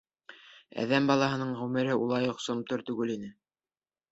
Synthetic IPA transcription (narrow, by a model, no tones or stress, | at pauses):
æ̰ðæmbɑlˠɑɦɤ̆nɤɴʁʉmɘ̆ɾɘʔulˠɑjŏqsŏmt̪oɾt̪ʉɡɘlinɘ